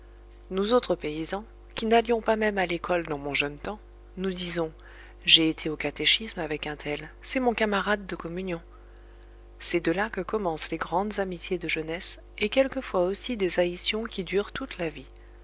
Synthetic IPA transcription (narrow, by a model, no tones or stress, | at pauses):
nozot̪χəpeizɑ̃ | kʲinaljɔ̃pamɛmalekɔld̪ɑ̃mɔ̃ʒœnt̪ɑ̃ | nud̪izɔ̃ | ʒeːt̪ʰeokat̪eʃismavɛkɛ̃t̪ʰɛlsɛmɔ̃kamaʁad̪ːəkɔmynjɔ̃ | sɛd̪əlakəkɔmɑ̃sleɡʁɑ̃d̪zamit̪ʰjed̪əʒənɛs | ekʲɛlkəfwaosid̪ezaisjɔ̃kʲid̪yʁt̪ut̪lavi